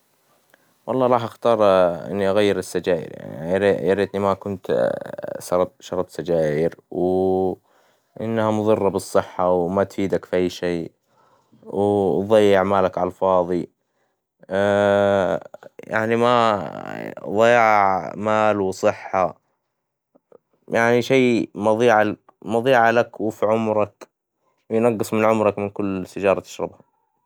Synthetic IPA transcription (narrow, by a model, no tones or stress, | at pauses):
wɑlˤːɑːɾˤɑːħʔaxt̪ɑːɾˤʔɪ̰nːiʔaɣajːɪɾɪsːad͡ʒaːʔɪ̰ɾa̰ɾijɑɾiːt̪nimakʊnt̪ | ʃɑɾˤʃɑɾˤɑt̪sad͡ʒaːjɪɾw | ʔɪnːhamʊðˤɨrˤːɑbɨsˤːɨħːawmat̪fiːd̪akfʔajːʃeː | wðˤɑjːɑʕmaːlakʕɑlfɑːðˤi | ja̰ʕnima | ðˤɑjːɑʕʕmaːlwsˤɨħːa | jaʕniʃaːmɑðˤiːʕal | mɑðˤiːʕalakwfiʕʊmɾˤɑk | wjnɑɡːɨsˤmɪnʕʊmɾˤɑkmɪnkʊlːsɪd͡ʒɑːɾˤɑt̪ɪ̥ʃɾˤɑ̰bha